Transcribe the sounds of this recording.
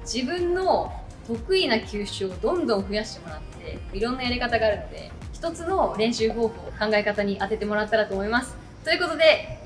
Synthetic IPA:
d͡ʑibɯ̟̃nːo̞ | t̪o̞kɯ̟inakʲɨːɕɨod̪õ̞nd̪õ̞ɰ̃ɸɯ̟jaɕi̥t̪e̞mo̞ɾat̪ːd̪e̞̰iɾõ̞nːajaɾʲikat̪aɡaːɾɯ̟no̞d̪e̞̰çi̥t̪o̞t͡sɨno̞ɾẽ̞ɰ̃ɕɨːɦo̞ːɸoːkãŋɡae̞kat̪aɲ̟iʔat̪e̞t̪e̞mo̞ɾat̪ːaɾat̪o̞ːmo̞imasɨ̥ | t̪o̞jiɯ̟ko̞t̪o̞d̪e̞

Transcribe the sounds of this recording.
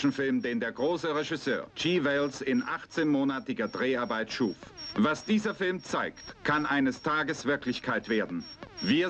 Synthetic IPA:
ʃn̩fɪlmdeːndeːɐɡʁoːsəʁɛʒɪsø̰ːɐt͡ʃiːvɛlsɪnʔa̰χt͡seːnmoːnatɪɡɐdʁeːaɐbaɪtʃuːfvasd̥iːzɐfɪlmt͡saɪktkʰanʔaɪnəstʰaːɡəsv̥ɪɐklɪçkʰaɪtv̥eːɐdn̩viːɐ

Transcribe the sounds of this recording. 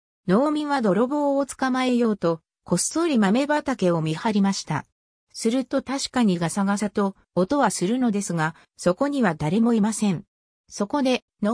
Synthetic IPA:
no̞ːmʲĩβad̪o̞ɾo̞bo̞ːt͡sɨ̥kamae̞jo̞ːt̪o̞ | ko̞so̞ɾʲimame̞bat̪ake̞o̞mʲihaɾʲimaɕi̥t̪a̰ | sɨɾɯ̟t̪o̞t̪aɕi̥kaɲ̟iɡasaɡasat̪o̞ː | t̪o̞βasɨɾɯ̟no̞d̪e̞sɨɡa | so̞ko̞ɲ̟iβad̪aɾe̞mo̞imasẽ̞ɴ | so̞ko̞d̪e̞ | n

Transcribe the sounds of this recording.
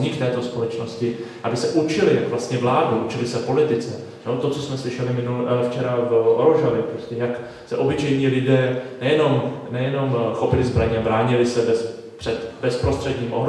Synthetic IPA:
ɲiːkt̪ɛːt̪o̞spolɛt͡ʃno̞scɪʔabɪsɛʔut͡ʃɪlɪjakvlast̪ɲɛvlaːduʔut͡ʃɪlɪsɛpo̞lɪt̪ɪt͡sɛ | not̪ot͡so̞smɛslɪʃɛlɪmɪnulft͡ʃɛɾavʔoɾoʒavɪpɾoscɛjak | sɛʔo̞bɪt͡ʃɛjɲiːlɪdɛːnɛjɛno̞mnɛjɛno̞mxo̞pɪlɪzbɾaɲɛabɾaːɲɪlɪsɛbɛs | pr̥ɛt̪bɛspɾo̞st̪r̥ɛdɲiːmʔoɦɾ

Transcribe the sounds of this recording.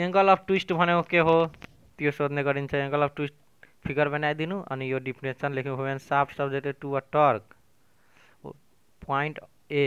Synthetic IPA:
eŋkəlɔb̚ʈwisʈbʱʌneokeɦo | t̪ijosod̪ʱnekʌɾint͡ʃʰʌẽŋɡʌlɔb̚ʈwisʈ̚ | pʰikʌɾbenajd̪inuʔʌ̰nijoɖipɾesʰʌnlekʰinubʱobensabʰsʌbd͡zet̪eʈuaʈʌɾk | paiɳʈ | e

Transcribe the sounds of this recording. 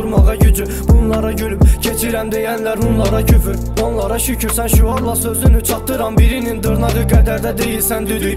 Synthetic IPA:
uɾmɑʁɑɟyd͡ʒy | bunlˠɑɾɑɟylypcʰet͡ʃʰiɾæmd̪ejænlæɾunlˠɑɾɑcʰyfyɾ | onlˠɑɾɑʃycʰyɾsænʃuɑɾlˠɑsøzynyt͡ʃʰɑtt̪ːɯɾɑmbiɾinind̪ɯɾnɑʁɯɡæd̪æɾd̪æd̪ejilsænd̪yd̪y

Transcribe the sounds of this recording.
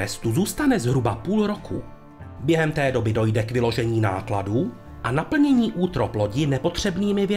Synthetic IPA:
ɛst̪uzuːst̪anɛzɦɾubapuːlɾo̞kʰṵː | bjɛɦɛmt̪ɛːdo̞bɪdo̞jdɛkvɪlo̞ʒɛɲiːna̰ːkladuː | ʔanapl̩ɲɛɲiːʔuːt̪ɾo̞plo̞ɟɪnɛpo̞t̪r̝̥ɛbniːmɪvjɛ

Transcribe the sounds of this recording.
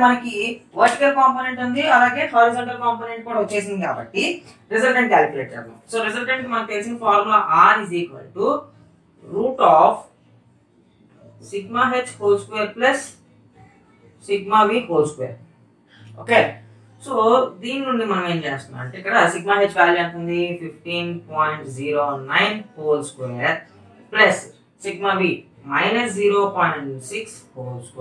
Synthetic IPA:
mɐnɐkiʋɐɾt͡ʃkɐɾkaːmpoːneɳʈɐnd̪iɐlaːɡe̞ːɦoːɾizɐɳʈɐlkaːmp̬oːneɳʈ̚koːɽɐʋot͡ʃːeːs̬ind̪ikaːbɐ̰ʈːi | ɾizɐlʈeɳʈ̚kʲaːlkulḛːʈɐ̰ṵsoːɾed͡ʒɐlʈeɳʈmɐnɐkpeːsiŋpaːɾaːʔaːɾiziːkʋɐ̰lʈu | ɾuːʈaːf | siɡmaːɦed͡ʒkoːlskʋeːɐɾplɐs | siɡmaːʋiːkoːlskʋḛːɾ | o̰ːkeː | soːd̪iːninuɳɖimɐnɐmeːmt͡ʃeːst̪una̰mɐ̰ɳʈeːikːɐɽɐsiɡmaːɦet͡ʃːkaːliɐɳʈund̪ipifʈiːnpɔːjɳʈd͡ʒiːɾoːnɐjnpoːlskʋeːɾ | plɐs | siɡmaːʋiː | mɐjnɐsd͡ʒiːɾoːpɔːjɳʈsikshoːlske

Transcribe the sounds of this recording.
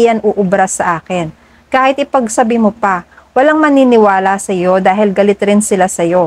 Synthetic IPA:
jɐnʔoʔʊbɾɐsɐʔaːkɛn | kaːhɪt̪ɪpɐɡ̚sɐbimopɐwɐlaŋmɐninɪwaːlɐsɐjo̞d̪aːɦɪlɡɐlɪt̪ɾɪnsɪlasɐjo̞

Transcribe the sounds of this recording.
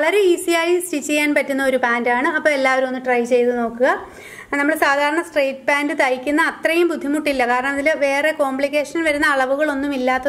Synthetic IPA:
ɐɭɐɾe̞iːsijaːjistit͡ɕːejaːnpɐtːunːɐoɾubaːndaːɳɨɐpːoːme̞lːaːʋɐɾumo̞nːumʈrɐjt͡ɕe̞jt̪uno̞ːkːuɣɐ | nɐmːɐɭsaːd̪ʱaːɾɐɳɐsʈrejʈpaːndɨt̪ɐjikʲːunːɐːt̪rɐjumbud̪ʱːimuʈːilːɐkaːɾɐɳɐmɐðilɨʋe̞ːre̞ko̞ːmpɭikʲːe̞ːʂɐnʋɐɾunːɐːɭɐʋuɣɐɭo̞nːumilːaːt̪ːɐ

